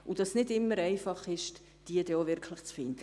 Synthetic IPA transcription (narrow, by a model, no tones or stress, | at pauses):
ud̥ɑsnɪdɪmːəɾɛɪfɑχɪʃ | d̥iːəd̥ɛovɪɾkʰləχt͡sfɪnd̥ə